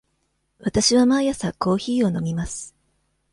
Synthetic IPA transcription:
βat̪aɕiβamajasako̞ːçiːo̞no̞mʲimasɨ̥

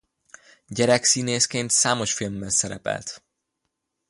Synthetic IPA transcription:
ɟɛɾɛksiːneːskeːnt̪saːmo̞ʃfilmbɛnsɛɾɛ̰pɛ̰lt̪

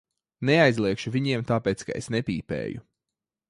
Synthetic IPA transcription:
neajzlˠiɛkʃuviɲiɛmt̪aːpeːt̪ska̰esnepʲḭːpḛːju

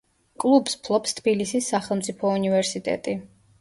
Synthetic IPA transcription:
kʼlˠubspʰlˠɔpst̪ʰbilisisːaχɛlˠmt̪sʼipʰɔunivɛɾsit̪ʼɛ̰t̪ʼi

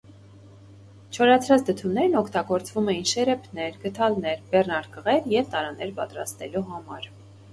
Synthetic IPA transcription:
t͡ʃʰɔɾɑt͡sʰɾɑt͡sʰd̪ət̪ʰumnɛɾnɔkʰt̪ɑɡɔɾt͡svumɛjinʃɛɾɛpʰnɛɾɡət̪ʰɑlnɛɾbɛrnɑɾkəʁɛɾjɛvt̪ɑɾɑnɛɾpɑ̰t̪ɾɑ̰st̪ɛluɦɑmɑɾ

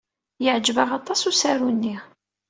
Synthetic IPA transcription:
jəʕd͡ʒvaʁɑt̪ˤɑsusaɾunːi

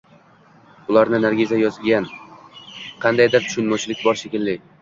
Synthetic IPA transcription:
ʊlˠaɾnɪnaɾɡʲɪzajɒzɪlɡʲan | qʰɑnd̪ajd̪ɪɾt̪ʰʊ̥ʃʊnmɒt͡ʃʰɪlɪkʲbɒɾʃekʲɪlːɪ

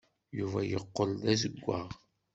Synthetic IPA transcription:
juvæjəqːəld̪æzəɡʷːaʁ

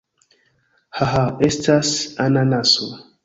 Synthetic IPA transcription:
haɦaestasananaso

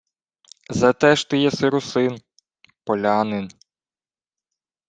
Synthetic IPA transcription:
zɐt̪ɛʒt̪ɪjɛsɪɾʊsɪn | pɔlʲɑnɪn

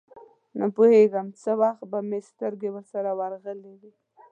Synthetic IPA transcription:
napoheɡəmt͡səwaxt̪̚bamest̪əɾɡewəɾsaɾawaɾɣəlewi

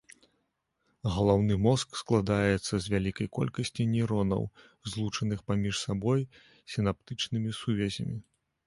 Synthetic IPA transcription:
ɣɐlˠawn̪ɨmɔsksklˠad̪ajɛt̪sːɐzʲvʲalʲikɐjkɔ̰lʲkɐsʲt͡sʲinʲiɾɔnɐ̰w | zlˠut͡ʂɐnɨxpamʲiʂsabɔj | sʲin̪ap̚t̪ɨt͡ʂnɨmʲisuvʲɛzʲɐ̰mʲi

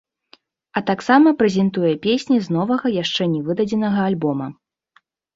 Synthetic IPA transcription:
ɐt̪aksamɐpɾɛzʲɛnt̪ujɛpʲesʲnʲiznɔvɐɣɐjaʂt͡ʂɛnʲɛvɨd̪ɐd͡zʲɛnɐɣɐalʲbɔmɐ

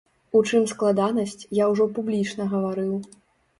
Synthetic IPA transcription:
ut͡ʂɨmsklˠad̪anɐsʲt͡sʲjawʐɔpublʲit͡ʂnɐɣɐvaɾɨw

